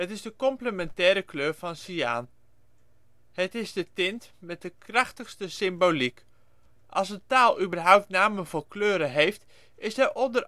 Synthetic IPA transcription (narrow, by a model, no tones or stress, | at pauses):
ɦətɪzdəkɔmpləmɛntɛːɾəkløːɹvɑnsia̰ːn | hətɪzdətɪntmɛt̚dəkrɑχtəxstəsɪmbolik | ʔɑ̰lˠsəntaːlˠybərɦʌwp̚tnaːməvolˠkløːɾəɦejft | ɪsəʔɔndər